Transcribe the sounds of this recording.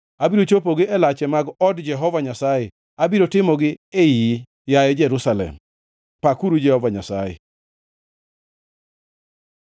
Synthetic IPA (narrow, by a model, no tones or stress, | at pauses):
abiɾot͡ʃopoɡɪɛlat͡ʃɛmaɡɔdd͡ʒɛɦɔvaɲasajɛ | abiɾotɪmɔɡɪeji | jajɛd͡ʒɛɾusalɛ̰m | pakuɾud͡ʒɛhɔvaɲasajɛ̰